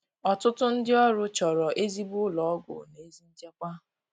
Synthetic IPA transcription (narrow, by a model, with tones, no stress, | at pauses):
ɔ˨tʊ˦tʊ˦n̩˦dɪ˦ɔ˦ɾʊ˦t͡ʃɔ˨ɾɔ˨ʔe˦zi˦bʊ˦lɔ˨˦ɡʷʊ̰˨ne˦zi˦n̩˦d͡ʒe˦kʷa˦